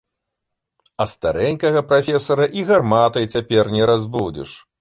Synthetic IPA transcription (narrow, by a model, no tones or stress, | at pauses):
ɐst̪aɾɛnʲkɐɣɐpɾafʲɛsɐɾɐʔiɣarmat̪ɐjt͡sʲapʲɛrnʲɛɾazbud͡zʲḭʂ